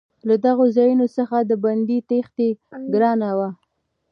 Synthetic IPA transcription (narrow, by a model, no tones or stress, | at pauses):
lad̪aɣozɑjunosəxad̪əband̪it̪ext̪eɡɾɑnawa